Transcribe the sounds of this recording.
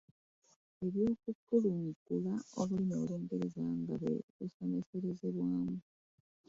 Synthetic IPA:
e̞βjo̞ːkukːuluŋɡulao̞βulimoːloːŋɡe̞ɾezaːŋɡaβwḛβusome̞seɾe̞zeβwaːmu

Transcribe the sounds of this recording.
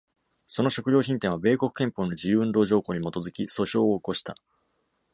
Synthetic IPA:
so̞no̞ɕo̞kɯ̟ɾʲo̞ːçĩnt̪ẽɰ̃βabe̞ːko̞kɯ̟̥kẽ̞mpo̞ːnod͡ʑijɯ̟ɯ̃nd̪o̞ːʑo̞ːko̞ːɲ̟imo̞t̪o̞zɨkʲiso̞ɕo̞ːko̞ɕi̥t̪a̰

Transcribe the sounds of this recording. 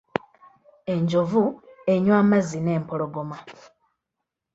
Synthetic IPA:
e̞ɲd͡ʒo̞vue̞ɲwaːmazine̞ːmpo̞lo̞ɡo̞ma

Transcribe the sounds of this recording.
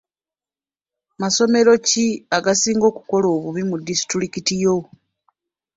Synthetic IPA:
maso̞me̞ɾo̞ciaɡasiːŋɡo̞ːku̥ko̞lo̞ːβuβimudisi̥tɾikitijo̞

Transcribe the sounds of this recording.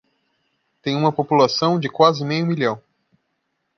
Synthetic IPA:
t̪ẽj̃ũmɐpopulasɐ̃w̃d͡ʒɪkwazɪmejũmilɐ̃w̃

